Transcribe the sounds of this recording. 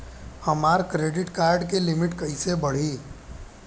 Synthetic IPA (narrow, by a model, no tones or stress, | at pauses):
həmaːɾkɾeːɖɪʈkaːɾɖkelɪmɪʈkəɪsebəɽ̤i